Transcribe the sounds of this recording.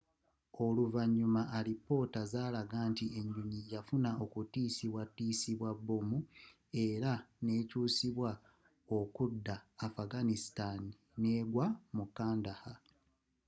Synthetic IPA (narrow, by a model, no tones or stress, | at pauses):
o̞luvaɲːumaʔalipːo̞ːtazaːlaɡantie̞ɲːuɲijafunaʔo̞kutiːsiβwatːiːsiβwabːo̞mu | e̞ɾane̞ːcuːsiβwa | o̞kudːaːfaɡanisi̥tani | neːɡwamukːaːndaha